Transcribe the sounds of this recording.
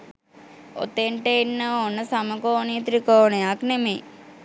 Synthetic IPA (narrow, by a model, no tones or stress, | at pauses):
o̰t̪eɳʈəinːəonːəsaməkoːnit̪ɾikoːnəjaknemeː